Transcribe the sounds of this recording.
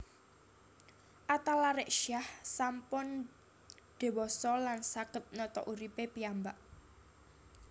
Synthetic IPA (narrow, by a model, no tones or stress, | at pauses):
ʔat̪alaɾɪʔʃiahsampʊn | ɖ̪̥e̤wɔsɔlansakət̪̚nɔt̪ɔ̰ʔuɾipepiambaʔ